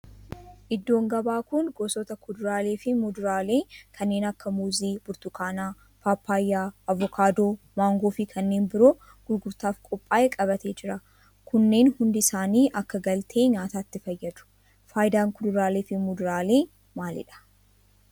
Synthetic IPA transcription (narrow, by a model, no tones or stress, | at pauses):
ʔɪd̪ːo̞ːŋɡɐbaːkʊnɡoːsɔt̪ɐkʊd̪ʊɾaːleːfɪmʊd̪ʊɾaːleːkʰɐnːe̞ːnɐkːɐmuːziːbʊɾt̪ʊkʰaːnaː | paːpʰːaːjːaːɐvːɔkʰaːd̪o̞ː | maːŋɡo̞ːfɪkʰɐnːe̞ːnbɪɾo̞ː | ɡ̥ʊɾɡʊɾt̪aːfkʼɔpʼːaːʔekʼɐβɐt̪e̞ːd͡ʒɪɾɐ | kʊnːe̞ːnhʊnd̪ɪɪsaːniːʔɐkːɐɡɐlt̪ʰe̞ːɲaːt̪aːt̪ːɪfɐjːɐd̪ʊ̥ | faːjɪd̪aːŋkʊd̪ʊɾaːleːfɪmʊd̪ʊɾaːle̞ː | maːlɪ̰ᶑɐ̥